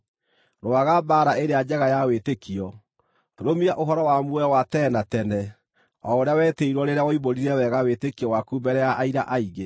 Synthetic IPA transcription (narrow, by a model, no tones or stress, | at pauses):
ɾwaɣabaːɾaeɾead͡ʑɛɣajawetekiɔ | ɾomiaʔoɦɔɾɔwamuɛwatɛnatɛnɛ | ɔoɾejawɛteiɾwɔɾeɾeawɔiβoɾiɾɛwɛɣawetekiɔwakubɛɾɛjaʔaiɾa̰ʔaiɣe